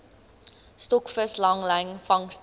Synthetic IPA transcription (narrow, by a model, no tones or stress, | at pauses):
stɔkfəslɐŋlɛjŋfɐŋst